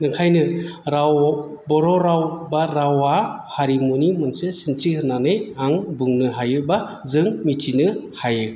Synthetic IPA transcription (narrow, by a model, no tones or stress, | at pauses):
nɯŋkʰajnɯɾawbɔɾɔɾawbaɾawahaɾimonimɯnsesinsihɯnːanɯjaŋbɯŋnɯɦajɯba | zɯŋmitʰinɯhajɯ